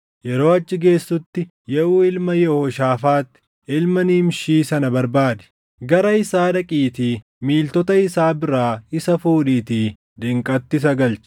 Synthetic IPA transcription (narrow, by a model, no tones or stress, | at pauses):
jɛɾo̞ːɐt͡ʃːɪɡe̞ːsːʊt̪ːɪ | jɛuːɪlmɐjɛhoʃaːfaːt̪ːɪ̥ | ɪlmɐniːmʃiːsɐnɐbɐɾbaːd̪ɛ̥ | ɡɐɾɐɪsaːᶑɐkʼiːt̪iː | miːlt̪ɔt̪ɐɪsaːbɪɾaːɪsɐfuːᶑiːt̪iː | d̪ɪŋkʼɐt̪ːɪs̬ɐɡɐlt͡ʃ